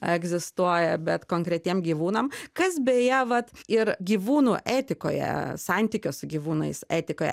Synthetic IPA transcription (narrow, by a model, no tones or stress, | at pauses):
ɛɡzʲɪst̪uɔjɛbʲɛt̪koːŋkɾʲɛt̪ʲiɛmɡʲiːʋuːnɐmkɐsbʲeːjɛʋɐt̪ɪɾɡʲiːʋuːnuːʔæːt̪ʲɪko̰ːjɛ̰sɑnʲt̪ʲikʲʊsʊɡʲiːʋuːnɐ̰ɪsæːt̪ʲɪkoːjɛ̰